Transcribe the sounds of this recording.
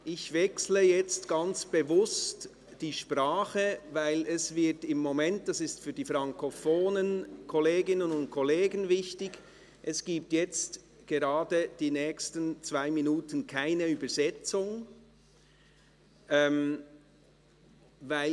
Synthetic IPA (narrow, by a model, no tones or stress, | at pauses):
ʔɪçvɛksləjɛt͡stɡ̥ant͡sb̥əvʊst | d̥iːʃpraːχəvaɪlɛsvɪtɪmːomɛnt̚d̥asɪstfyːɐdiːfɾaŋkʰofoːnənkʰɔleːɡɪnənʊnt̚kʰɔleːɡənvɪçtɪɡ | ʔɛsɡ̥iːp̚tjɛt͡st | ɡ̥ɛɾaːdəd̥iːnɛːçstənt͡sv̥aɪminuːtən̩kʰaɪnəyːbəzɛt͡sʊŋ | ʔɛm | vaɪ